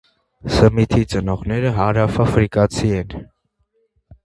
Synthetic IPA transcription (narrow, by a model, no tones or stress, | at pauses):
səmit̪ʰit͡sənɔʁnɛɾəɦɑɾɑfɑfɾikɑt͡sʰiɛn